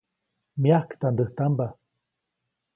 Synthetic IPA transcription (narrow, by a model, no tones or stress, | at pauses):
miahkt̪and̪əht̪amba